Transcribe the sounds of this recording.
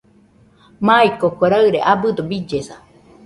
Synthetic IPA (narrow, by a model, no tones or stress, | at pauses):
maikokʷeɾaɨɾeʔabɨd̪obid͡ʒesa